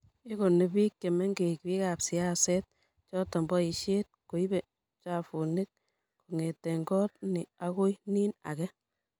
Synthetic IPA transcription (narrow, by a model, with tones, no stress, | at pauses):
ɪ˦ko˨ne˨bi˦kːe˨mɛ˦ŋɡe˨kpi˦ka˨psɪ˨a˦sɛ˦t̚ | t͡ʃɔ˦tɔ˨mbɔ˦i˨ʃe˦t̚ko˨i˦be˨ | t͡ʃa˨fu˨nɪ˦t̚ | ku˨ŋe˨tːe˨ŋɡɔː˦tnɪ˨a˦ko˦iniː˦na̰˨kɛ˦